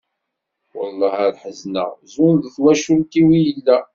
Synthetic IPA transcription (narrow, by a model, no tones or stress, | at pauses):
wə̰lˤːɑhæɾħəznə̰ʁzʊnðθwæʃult̪iwijəlːæ